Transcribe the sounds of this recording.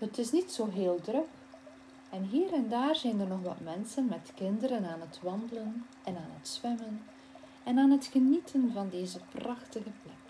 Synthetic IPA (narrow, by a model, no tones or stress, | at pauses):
hətɪsnitsoːɦeːlˠdrɵk | ɛnɦiːɾɛndaːrzɛjndərnɔxʋɑ̰tmɛnsənmɛtkɪndəɾənaːnɦətʋɑndələn | ɛnaːnɦətsʋɛmən | ɛnaːnɦətxənitʰənvɑndeːzəprɑxtəɣəplɛk